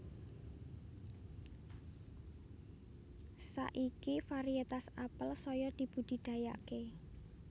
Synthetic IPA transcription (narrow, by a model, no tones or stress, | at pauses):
sa̰ʔikifaɾiet̪asapəlsɔjɔd̪̥i̤b̥ṳd̪̥i̤d̪̥ä̤ja̰ke